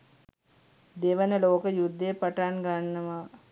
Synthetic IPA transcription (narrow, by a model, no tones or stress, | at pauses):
d̪eʋənəloːkəjud̪ːejpaʈanɡanːəʋa